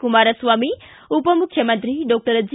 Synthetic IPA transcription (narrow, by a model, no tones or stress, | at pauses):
kumaːɾɐsʋaːmi | upəmukʰjɐmənt̪ɾiɖɔk̚ʈəɾəd͡ʒ